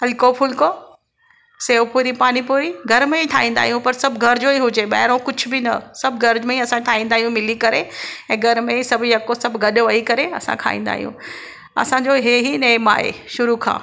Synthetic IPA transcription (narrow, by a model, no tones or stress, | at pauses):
ɐlkopʰʊlko | seːʋpuːɾipaːnipuːɾiɡʱɐɾmẽiʈʰa̰ːɦĩːn̆d̪a̰ːɦijũpɐɾsɐbʱɡʱɐɾd͡ʑoiɦʊd͡ʑeɓɐ̰ːɪɾõkʊd͡ʑʱʊbɪnɐ̰sɐbʱɡɐɾd͡ʑmẽĩɐsãʈʰaːɦĩːn̆d̪aːɦijũmɪlikɐɾeɛ̃ːɡʱɐɾmẽisɐbʱjɐkosɐbʱɡɐɗʋɐikɐɾeɐsã̰kʰa̰ːḭ̃ːn̆d̪a̰ːɦijṵ̃ | ɐ̰sãɲd͡ʑoɦeɦinɐɪma̰ːɦḛʃʊɾukʰã̰ː